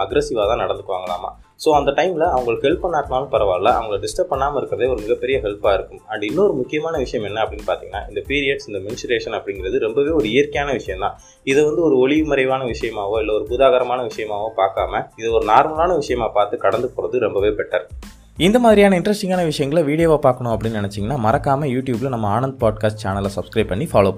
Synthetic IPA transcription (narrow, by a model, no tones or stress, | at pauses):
ɐɡɾɐsɪʋaːt̪ãːnɐɽɐnɯkːɯʋa̰ːŋɡɐɭa̰ːma̰ː | soːɐnd̪ɐʈɐɪmɪlɐɐʋɐŋɡɐɭɯhɛlpːɐnːaːɾt̪maːlɯ̃pɐɾɐʋaːɾɐlɐʔɐ̰ʋɐŋɡɐɭɖɪsʈɐp̚ːɐɳːaːmɐɪɾɯkːɪɾɐðeːɔɾɯmɪɣɐpːɛɾɪjɐɦɛlpaːɪɾɯkːɯmɐɳɖɪnːɐɔɾɯmʊkːɪjɐmaːnɐʋɪʂɐjɐmɛnːɐɐpːɐɽɪnːɯpaːɾt̪iːŋɡɐnːa̰ːɪnd̪ɐpiːɾɪjɐɖsɪnd̪ɐmɛnɪsʈɾeːʂɐnɐpːɐɽɪŋɡɪɾɐðɯɾɛmbɐʋeːɔɾɯɪjɐɾkɐjaːnɐʋɪʂɐjɐ̃mt̪ãː | ɪðɛʋɐnd̪ɯɔɾɯɔɭɪɯmɐɾɐɪʋaːnɐʋɪʂɐjɐmaːʋõɪlːɐɔɾɯpʊðaːɣɐɾɐmaːnɐʋɪʂɐjɐmaːʋõpaːɾka̰ːmɐɪðɛɔɾɯnaːɾmɐlaːnɐʋɪʂɐjɐmaːpaːɾt̪ɯkɐɽɐnd̪ɯpoːɾɐðɯɾɛmbɐʋeːbɛʈːɐɾ | ɪnd̪ɐmaːðɪɾɪjaːnɐɪnɖɾɐsʈɪŋɡaːnɐʋɪʂɐjɐŋɡɐɭʋiːɽɪjɐʋaːpaːɾkɐɳʊ̃ɐpːɐɽɪnːnɛnɛt͡ʃːɪŋɡɐnːaːmɐɾɐkːaːmɐjuːʈjuːbɪlɐnɐmːɐaːɳɐnd̪̚paːʈ̚kaːsʈ̚t͡ʃaːnɐlːɐsɐbskɾɐɪpːɐɳːifaːloːpɐɳ